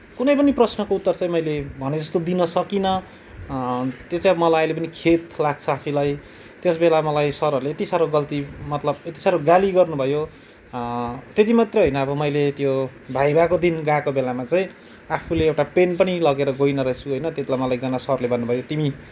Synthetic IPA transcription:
kunʌjpʌniprʌsnʌkout̪ːʌrt͡sãj̃mʌjlebʱʌned͡zʌst̪od̪inʌsʌkinʌ | t̪jot͡saĩʌbʌmʌlajãjlep̬ʌnikʰet̪laɡ̚t͡sʰʌapʰulaj | t̪jesbelamʌlajsʌɾʌɾuleet̪isaɾoɡʌlt̪imʌt̪lʌbet̪i̥saɾoɡaliɡʌrnubʱʌjo | t̪et̪̬imat̪reɦʌjnʌːbʌmʌjlet̪jobʱajbakod̪inɡãkobelamat͡saĩ | apʰuleewʈapenpʌnilʌɡeɾʌɡojnʌɾʌɦet͡sʰuɦʌjnʌt̪jet̪lajmʌlaekd͡zanasʌrlebʱʌnːubʱʌjot̪imi

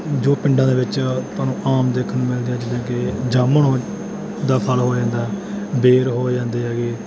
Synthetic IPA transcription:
d͡ʒoːpɪ̃ɳɖãːd̪eːʋɪt͡ʃt̪ʊaːnũːʔaːmd̪eːkʰənːmɪld̪iːɛːd͡ʒədãːked͡ʒaːməɳoː | d̪aːpʰəlɦoːd͡ʒãːnd̪aɛː | beːɾɦoːd͡ʒãːnd̪eːɦɛːɡeː

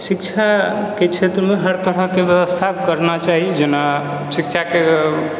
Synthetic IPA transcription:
sikt͡ʃʰaket͡ʃʰet̪ɾəmeɦəɾt̪əɾəɦkebjəβəst̪ʰakəɾnat͡ʃaɦid͡ʒena | sik̚t͡ʃʰake

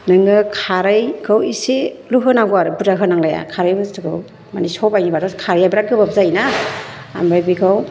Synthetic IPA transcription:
nɯŋɯkʰaɾɯjɡʰɯwiseluɦɯnaɡɔaɾɯbudaɦɯnaŋlaja̰kʰaɾɯjbɯstɯɡɯw | manisɔwbajnibadɔskʰaɾɯjabɾaɡɯbapzaina̰ː | mɾajbiɡʰaw

